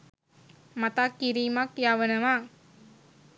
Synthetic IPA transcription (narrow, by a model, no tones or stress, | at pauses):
mat̪akːiɾiːmakjaːʋənəʋaː